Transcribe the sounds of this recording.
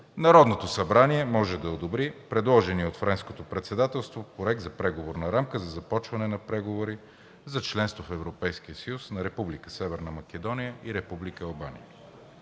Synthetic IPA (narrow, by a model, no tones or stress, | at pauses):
nɐɾɔd̪not̪osɐbɾaniɛmɔʒɛd̪ɐod̪obɾipɾɛd̪lˠɔʒɛniot̪fɾɛnskot̪opɾɛt̪sɛd̪at̪ɛlˠst̪vopɾoɛɡ̚d̪zɐpɾɛɡovoɾnɐɾamkəzɐzɐpɔt͡ʃvɐnɛnɐpɾɛɡovoɾi | zɐt͡ʃlɛnst̪vofɛvɾopɛjskiəsəjusnɐɾɛpublikə̥sɛvɛɾnəmɐkɛd̪ɔnijəʔiɾɛpublikəɐlˠbanḭjə